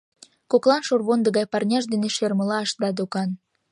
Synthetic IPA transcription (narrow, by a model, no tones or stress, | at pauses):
koklɑnʃorβond̪ə̆ɣɑjpɑrnʲɑʒd̪eneʃerməlɑəʃd̪ɑd̪okɑn